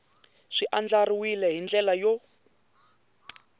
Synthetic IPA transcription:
ʂiʔand͡ɮaɾiwilɛɦind͡ɮɛlajɔ

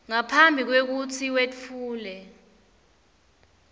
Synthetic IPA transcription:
ŋapʰambʱik̬wek̬ut͡sʰiwet͡fʰuːlɛ

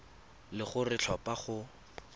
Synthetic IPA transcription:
lɪχʊrɪt͡ɬʰɔpaχʊ

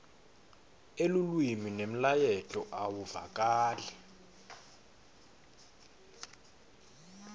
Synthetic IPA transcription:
elulwiminem̩lajɛt͡ɬʼɔʔawuva̰k̬ʼaːlɛ

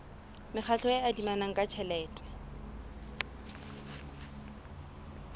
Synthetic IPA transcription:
mɪχʰaɬʰɔeadimanaŋ̩kʼat͡ʃʰɛlɛːtʼɛ̥

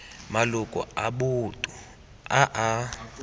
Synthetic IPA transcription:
malukʼɔ̰aɓutʼu | aʔa

